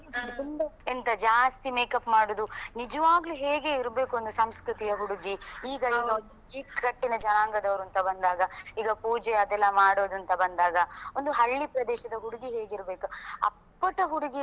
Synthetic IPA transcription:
duɳɖɐkent̪ɐd͡ʒaːst̪imeːkɐpmaːɽoːd̪unid͡ʒɐʋaːɡɐluːɦeːɡe̞iɾbe̞ːkuo̞nd̪usɐmskɾut̪ijɐɦuɽuɡiiːɡɐiːɡɐond̪uiːkkɐʈːinɐd͡ʒɐnaːŋɡɐd̪ɐʋɐɾuɐnt̪ɐbɐnd̪aːɡɐiːɡɐpuːd͡ʒɛɐd̪ɛlːɐmaːɽoːd̪uɐnt̪ɐbɐnd̪aːɡɐond̪uɦɐɭːipɾɐd̪ɛːʃɐd̪ɐɦuɽuɡiɦeːɡiɾbe̞ːkuɐ̰ppːɐʈɐɦuɽuɡi

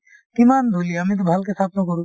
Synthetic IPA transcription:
kimand̪ʱoliamit̪̬obʱalkest̪ʰapnokɔɾu

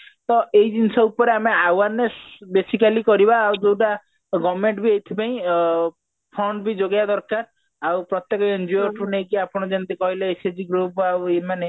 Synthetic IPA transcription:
t̪ɔeid̪insɔupɔɾeameawaɾnesbesikalikɔɾibaːwd͡ʒowʈa | ɡɔmeɳʈbʱiejt̪ʰipaĩ | pʰɾɔɳʈbid͡ʒoɡjad̪ɔɾkaɾ | awpɾɔt̪jekɔend͡ʒɔjɔɾʈʰunejkiapɔɽ̃ɔd͡ʒɔnt̪ikɔɦilaesed͡ʒiɡɾup̚awemane

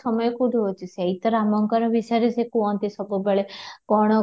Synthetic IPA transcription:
ɔmɔjɔkuɖʱuɦot͡ʃʰiseɦit̪ɔɾamɔŋkɔɾɔbisaɾisekuɔnt̪isɔbubeɭekɔɽ̃ɔ

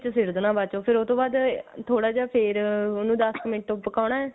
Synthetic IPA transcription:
t͡ʃsɪɾd̪nãːbaːt͡ʃoːpʰɪɾot̪õːbaːd̪t̪ʰoːɽaːd͡ʒaːpʰɪɾʊnũːd̪əskəmɪ̃ʈopːəkaːʊɳaːɛː

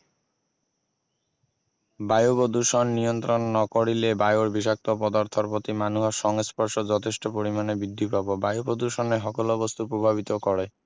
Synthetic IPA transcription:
bajobod̪uʃonːijont̪ɾonːɔkoɽilebajoɾbiʃ̬ak̚t̪opɔd̪aɾt̪ʰoɾpot̪imanuɦaɾʃɔŋespɔɾʃod͡ʑɔt̪ʰeʃʈopoɾimanebid̪ʱːipabobajobod̪uʃɔneɦɔkolobost̪upɾobʱaβit̪okɔɾe

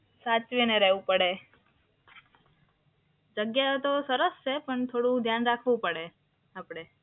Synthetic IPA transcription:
sat͡ʃʋineɾɛɦʋũpəɽe | d͡ʒəɡjat̪osəɾəst͡ʃʰepəɳt̪ʰoɽũd̪ʱjanɾakʰʋũpəɽe | apɽ̃e

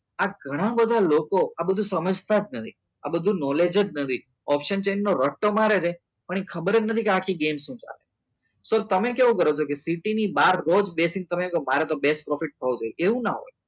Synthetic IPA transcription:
aɡʱəɽ̃abəd̪ʱalokoabəd̪ʱũsəməd͡ʒt̪ad͡ʒnət̪ʰi | a̰bəd̪ʱũnɔled͡ʒəd͡ʒnət̪ʰi | ɔpʃənt͡ʃenːoɾəʈːomaɾed͡ʒaj | pəɳ̃ekʰəbəɾed͡ʒnət̪ʰikeakʰiɡemʃũd͡ʒa̰lḛ | sot̪əmekeʋũkəɾot͡ʃʰokesiʈinibaɾːod͡ʒbesɪ̃ŋɡ̚t̪əmekmaɾɛt̪obesʈ̚pɾɔfiʈ̚t̪ʰəũd͡ʒojeʔeʋũnaɦo̰j

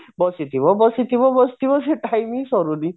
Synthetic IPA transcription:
bɔsit̪ʰiβɔbɔsit̪ʰibɔbɔsi̥t̪ibɔseʈajmisɔɾuni

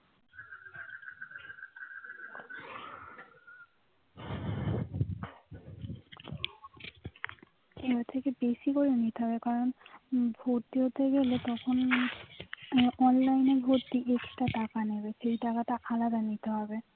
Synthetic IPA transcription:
eɦot̪ʰekebesikoɹionit̪eɦɔbekaɹonbʱoɾt̪iɦot̪eɡelot̪ɔkʰon | ɔnlajnebʱoɾt̪iʔekʈaʈakaneβeʃejʈakataʔalad̪anit̪eɦɔbe

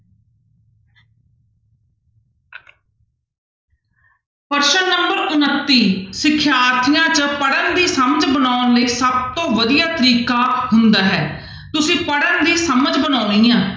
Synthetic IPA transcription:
pəɾʃənːəmbəɾʊnət̪ːiːsɪkʰːjaːɾt̪ʰɪjãːt͡ʃəpəɽənd̪iːsəməd͡ʒbənaːnləiːsəb̚t̪õːʋəd̪ijaːt̪əɾiːkaːhʊnd̪aːɦɛː | t̪ʊsĩːpəɽənd̪iːsəməd͡ʒbənaːʊniːãː

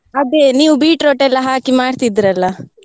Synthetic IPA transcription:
ɐd̪eniːʋubiːʈɾoʈɛlːɐɦaːkimaːɽt̪id̪iɾɐlːɐ

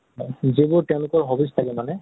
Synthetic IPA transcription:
ɔzibʊɹtɛ̃ʊ̃lʊkɔɹɦobistʰakɛmanɛ

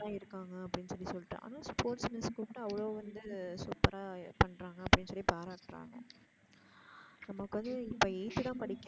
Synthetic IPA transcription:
ãːɪɾɯkːaːŋɡɐːpːɐɽɪnːsɔlːisɔlːɪʈːʔa̰ːnãːspoːɾʈsmɛskuʈːɯɐʋɐɭoːʋɐnd̪ɯsuːpːɐɾaːpɐɳɾaːŋɡɐɐpːɐɽɪnːsɔlːipaːɾaːʈɾa̰ːŋɡɐ | nɐmːɐkːɯʋɐnd̪ɯɪpːɐːɛɪt̪ːɯt̪ãːpɐɽɪkː

